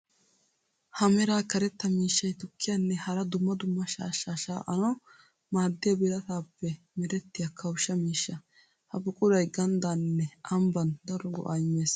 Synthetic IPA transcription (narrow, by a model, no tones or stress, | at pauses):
hɐmɛɾaːkɐɾɛt̪ːɐmiːʃːɐjt̪ʊkːɪjanːɛhɐɾɐd̪ʊmːɐd̪ʊmːɐʃa̰ːʃaːʃa̰ːʔɐnɐw | maːd̪ːɪjɐbɪlɐt̪aːpːɛ | mɛɾɛt̪ːɪjɐkʰɐwʃːɐmiːʃːɐ | hɐbʊkʼʊɾɐjɡɐnd̪anːɛʔɐmbɐnd̪ɐɾɔɡɔ̰ʔɐjɪmːeːs